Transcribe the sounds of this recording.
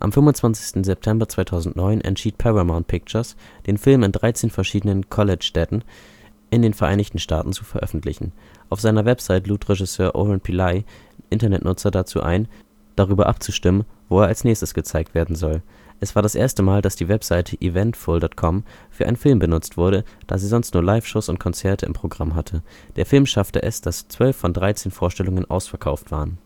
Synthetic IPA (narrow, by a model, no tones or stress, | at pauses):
ʔa̰mfʏmvʊnt͡sv̥ant͡sɪ̥stn̩zɛp̚tʰɛmbɐt͡sv̥aɪtʰaʊzn̩tnɔʏnʔɛ̰ntʃiːt̚pʰɛʁamaʊntpʰɪk̚t͡ʃɐsd̥eːnfɪlmɪndʁaɪt͡seːnfɛɐʃiːdənənkʰɔlɛt͡ʃʃtɛtn̩ | ʔɪndeːnfɛɐʔa̰ɪnɪçtn̩ʃta̰ːtn̩t͡sufɛɐʔœ̰fn̩tʰlɪçn̩ | ʔaʊfz̥aɪnɐvɛpz̥aɪtəluːtʁ̥eʒɪsøːɐʔo̰ʁant̚pʰilaɪ | ʔɪntɐnɛtnʔʊt͡sɐdat͡sṵːʔa̰ɪn | d̥aʁ̞yːbɐʔa̰pt͡suʃtɪmənvoːeːɐalsnɛːçstəsɡ̥ət͡saɪk̚tv̥eːɐdn̩zɔl | ʔɛsv̥aːɐɾasʔeːɐstəmaːldasd̥iːvɛpz̥aɪtʰəʔivɛntfʊldɔtkʰɔmfyːɐʔa̰ɪnənfɪlmbənʊt͡stv̥ʊɐɾəd̥aːziːzɔnstnuːɐlaɪfʃoːsʊnt̚kʰɔnt͡sɛɐtʰəʔɪ̰mpʁ̥oɡʁamɦatʰə | d̥eːɐfɪlmʃaftəʔɛsd̥ast͡sv̥œlfːɔndʁaɪt͡seːnfoːɐʃtɛlʊŋənʔa̰ʊsfɛɐkʰaʊftv̥aːʁən